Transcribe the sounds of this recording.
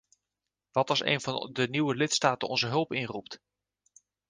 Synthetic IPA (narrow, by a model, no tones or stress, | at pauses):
ʋɑtɑsḛjnvɑndəniwəlɪtstaːtənɔ̰nzəɦɵlˠpɪnrupt